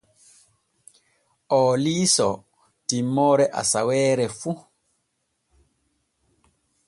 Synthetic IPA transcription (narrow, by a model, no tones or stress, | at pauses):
ɔːliːsɔ̰ | timɔːɾɛʔa̰sawɛːɾɛfu